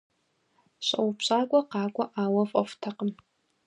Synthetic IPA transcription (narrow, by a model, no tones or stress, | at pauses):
ɕʼɐwpɕʼaːɡʷʼɔqɑːɡʷʼɔʔaːwɐvʼɔ̰ftʰɐqəm